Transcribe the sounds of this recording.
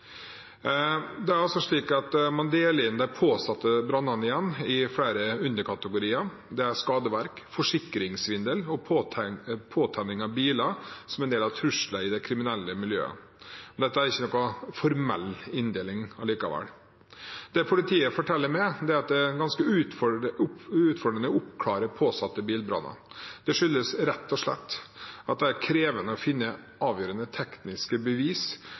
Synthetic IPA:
d̪ɛæɾɑlsɔʂɭiːkɑt̪mɑnd̪eːləɾɪnːd̪æɪpʰoːsɑt̪ːəbɾɑnːɑnɪjɛnːɪfɽæːɾəʉnd̪əɾkʰɑt̪əɡʊɾiːɑ | d̪ɛæɾʂkɑːd̪əʋæɾk | fɔʂɪkːɾɪŋsʋɪnd̪əlɔpʰː | pʰoːt̪ʰɛnːɪŋɑʋbiːlɑsɔmɛnd̪eːlɑʋt̪ʰɾʉʂləɪd̪ɛkʰɾɪmɪnɛlːəmɪljø̰ːə̰ | ɔd̪ɛt̪ːəæɾɪçːənɔkːɔfɔɾmɛ̰lːɪnd̪eːlɪŋɑliːkɑʋɛ̰l | d̪̥ɛpʰʊlɪt̪ʰiːəfɔʈʰɛlːəɾmɛd̪ɛɾɑt̪̚d̪ɛɡɑnskəʉːt̪fɔ | ʉːt̪fɔɖɾənəɔʊpkʰlɑːɾəpʰoːsɑt̪ːəbiːlbɾɑ̰nːɑ̰d̪̥ɛʂʏlːəsɾɛt̪ːɔʂɭɛ̰t̪ːɑt̪̚d̪ɛæɾkʰɾeːʋənəɔfɪnːə | ɑːʋjøːɾənət̪ʰɛknnɪskəbəʋiːs

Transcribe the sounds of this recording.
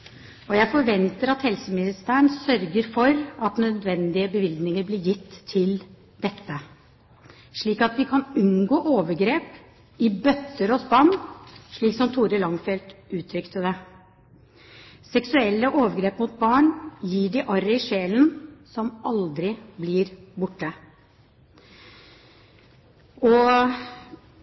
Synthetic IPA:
ɔjæɪfɔɾʋɛnt̪əɾɑt̪hɛlsəmɪnɪst̪æːɳsœɾɡəɾfɔɾɑt̪nœd̪ʋɛnd̪ɪəbəʋɪld̪nɪŋəɾblɪɾjɪt̪ʰːɪl | d̪ɛt̪ːə | ʂɭiːkɑt̪ʋɪkʰɑnʉnɡoːʔoːʋəɾɡɾeːp | ɪbœt̪ːəɾɔsbɑɳʂɭiːksɔmt̪ʰuːɾəlɑŋfɛlt̪ʉːt̪ʰɾʏkt̪əd̪ɛ | sɛksʉɛlːəʔoːʋəɾɡɾeːpmʊt̪̚bɑːɳjiːɖɪʔɑɾəʂeːlənsɔmɑld̪ɾɪblɪɾbʊʈːə | ɔ

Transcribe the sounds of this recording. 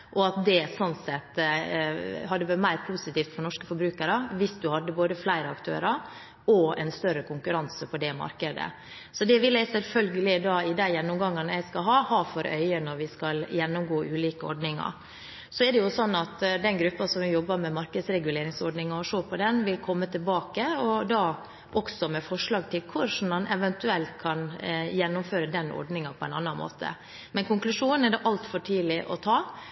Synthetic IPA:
ʔɔɑt̪̚d̪ɛsɔnt̪sɛt̪ː | ɦɑd̪ːəʋɑɾmæɪɾpʰusɪt̪iːft̪fɔɳɔʂkəfɔɾbɾʉːkəɾəʋɪsd̪ʉhɑd̪ːəboːd̪əflæɪɾəɑkt̪ʰø̰ːɾəɾ | ʔɔɛ̰ɪnst̪œɾəkʰʊŋkʉɾɑnsəpʰɔd̪ɛmɑ̰ɾkəd̪ə̰ | sɔd̪ɛʋɪlæɪsɛlfœlɡəlɪd̪ɑɪd̪æɪjɛnːʊmɡɑŋːənæɪskɑɦɑːhɑːfɔɾʔœ̰ʏənɔɾʋɪskɑljɛnːʊmɡoːʔʉːliːkəɔ̰ɖnɪŋɑ̰ɾ | sɔɛɖ̪ɛjʊsɔnːɑt̪d̪ɛnɡɾʉpːɑsɔmʋɪjɔbːəɾmɛmɑɾkəd̪sɾɛɡʉleːɾɪŋsɔɾɖnɪŋɑɔʂoːpʰɔd̪ɛnʋɪlkʰɔmːət̪ʰɪlbɑːkəɔd̪ɑː | ʔɔksɔmɛfɔʂɭɑːɡ̚t̪ʰɪlkʰʊʂn̩mɑnʔɛʋɛnt̪ʉɛlt̪̚kʰɑnjɛnːʊmføːɾəd̪ɛnʔɔ̰ɖnɪŋɑpʰɔɛɪnɑ̰nːɑnmo̰ːt̪ʰə̰ | mɛnkʊŋklʉʂuːnənɛɖɛʔɑlt̪fɔʈʰiːlɪʔɔ̰t̪ʰɑː

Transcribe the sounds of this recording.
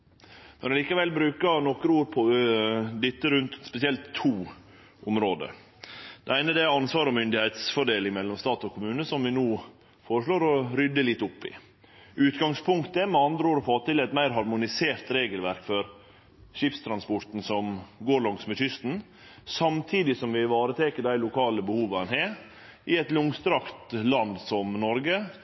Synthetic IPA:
mɛnɑliːkəʋɛlbɾʉːkənɔkːɾuːɾpʰɔ | d̪ɪt̪ːəɾʉnt̪spɛsɪɛlt̪ʰːuː | ʔɔmɾoːd̪ə̰ɾ | d̪̥ɛæɪnəd̪ɛæɾɑnsʋɑːɾɔmʏnd̪ɪheɪt̪sfɔɖeːlɪŋmɛlːɔmst̪ɑːt̪ɔkʰʊmʉːnəsɔmʋɪnuː | foːɾəʂɭoːɾɔɾʏd̪ːəlɪt̪ːʊpːɪ̰ | ʉːt̪ɡɑŋspʰʊŋkt̪əmɛɑnd̪ɾəoːɾɔfoːt̪ɪlɛt̪mæɪɾɦɑɾmʊnɪseːɾt̪ɾeːɡəlʋæɾkfɔɾ | ɕɪpst̪ʰɾɑnspɔʈ̪n̩sɔmɡoːɾɭɑŋsmɛɕʏst̪n̩ | sɑmt̪ʰiːd̪ɪsɔmʋɪʋɑːɾət̪ʰeːkəɖæɪlʊkʰɑːləbəhuːʋɑnheːɾ | ʔɪɛt̪lʊŋst̪ɾɑkt̪lɑnd̪sɔmnɔɾɡə

